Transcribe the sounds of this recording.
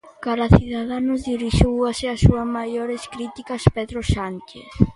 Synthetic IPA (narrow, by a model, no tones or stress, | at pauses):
kaɾaθiðaðanʊzðiɾiʃuwaseasːuɐzmajoɾeskɾit̪ikaspeðɾoʃant͡ʃḛθ